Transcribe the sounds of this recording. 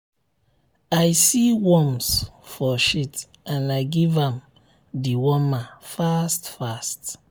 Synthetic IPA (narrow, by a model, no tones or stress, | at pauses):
ajsiwɔmsfɔʃit | ãnajɡivãm | diwɔmafastfast